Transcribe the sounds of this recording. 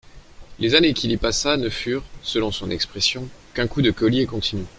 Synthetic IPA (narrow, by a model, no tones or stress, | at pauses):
lezanekʲilipasanəfyːʁsəlɔ̃sɔ̃nɛkspχɛsjɔ̃kɛ̃kud̪əkɔliekɔ̃t̪ʰiny